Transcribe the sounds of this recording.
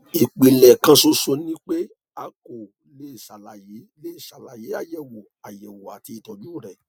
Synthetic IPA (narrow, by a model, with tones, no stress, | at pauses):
i˨k͡pi˨lɛ˨kã˧so˧so˧nĩ˦k͡pe˦ | a˨˦ko˨ | le˦i˨ʃa˨la˨je˨˦le˦i˦˨ʃa˨la˨je˨˦a˦jɛ˨wo˨ | a˨jɛ˨wo˨a˨ti˧i˧˨tɔ˨nũ˦˨ɾɛ˨